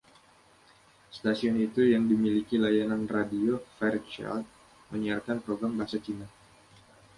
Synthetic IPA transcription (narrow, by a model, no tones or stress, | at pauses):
st̪asiɔnit̪ujaŋdimilikilajananradiofɛrt͡ʃa̰lt̪̚ | məɲiarkanpɾoɡɾambaɦasat͡ʃina